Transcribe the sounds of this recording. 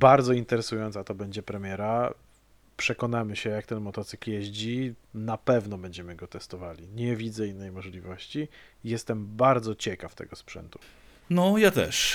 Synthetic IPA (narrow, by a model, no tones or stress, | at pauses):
baɾd̪zɔint̪ɛɾɛsujɔnt̪sat̪ɔbɛɲd͡ʑɛpɾɛmʲjɛɾa | pʂɛkɔnamɘɕɛjakt̪ɛnmɔt̪ɔt̪sɘkljɛʑd͡ʑinapɛvnɔbɛɲd͡ʑɛmɘɡɔt̪ɛst̪ɔvalʲiɲɛvʲid̪zɛinːɛjmɔʐlʲivɔɕt͡ɕi | jɛst̪ɛmbaɾd̪zɔt͡ɕɛkaft̪ɛ̰ɡɔspʂɛ̰nt̪u̥ | nɔjat̪ɛ̰ʂ